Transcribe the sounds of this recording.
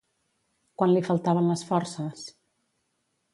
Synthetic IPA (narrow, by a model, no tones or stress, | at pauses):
kwanlifəlˠt̪aβənləsfɔɾsəs